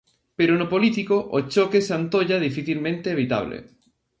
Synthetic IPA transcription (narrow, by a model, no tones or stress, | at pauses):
peɾonopolit̪ikoʔot͡ʃokesant̪oʎað̞ifiθilmẽnt̪eːβ̞it̪a̰β̞lḛ